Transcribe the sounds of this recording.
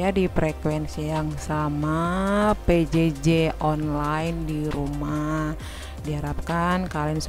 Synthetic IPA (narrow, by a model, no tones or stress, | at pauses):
jadipɾɛkwɛnsijaŋsamaped͡ʒed͡ʒeʔɔnlajndiɾuma | diɦaɾap̚kankalins